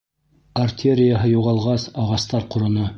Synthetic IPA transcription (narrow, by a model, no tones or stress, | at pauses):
ɐrt̪ʲʰeɾʲɪjaɦɤjuʁɑlˠʁɑsɑʁɑst̪ɑɾqŏɾɤ̆nɤ